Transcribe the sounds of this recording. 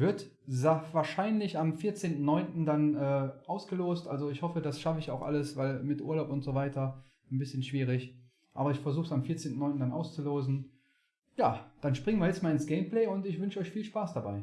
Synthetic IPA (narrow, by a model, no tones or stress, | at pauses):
vɪɐt | zavaːɐʃaɪnlɪçamfiːɐt͡seːntn̩nɔʏntn̩danɛːʔaʊsɡ̥əloːstʔalzoɪçhɔfədasʃafəɪça̰ʊxʔa̰ləsv̥aɪlmɪtʔṵɐlaʊpʊntz̥ovaɪtʰɐ | nbɪsçənʃv̥iːʁ̞ɪç | ʔaːbɐɪçfɛɐzuːxsamfiːɐt͡seːntn̩ːɔʏntn̩danʔa̰ʊst͡suloːzn̩ | jaːd̥anʃpʁ̥ɪŋənviːɐjɛt͡stmaːlɪnsɡ̥eɪmplɛːʊntɪçv̥ʏnʃəɔʏçfiːlʃpaːsd̥abaɪ